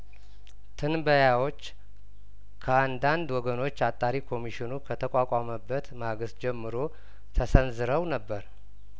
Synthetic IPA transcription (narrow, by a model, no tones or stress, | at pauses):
t̪ʰɨnbəjawo̞t͡ʃː | kʰəand̪and̪wɔɡəno̞t͡ʃːat̪ʼːaɾikʰo̞miʃɪnukʰət̪ʰəkʼakʼaməbːət̪maɡɨsd͡ʒɛmːɨɾo̞ | t̪ʰəsənzɨɾəwnəbːəɾ